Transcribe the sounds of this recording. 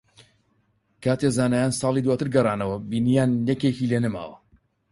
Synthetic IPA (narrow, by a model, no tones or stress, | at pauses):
kʰaːt̪ezaːnaːjaːnsɑːlˠiːd̪waːt̪ɨɾɡɐrˤɑːnɐwɐbiːnijaːnjɛkekiːleːnɐma̰ːwɐ̰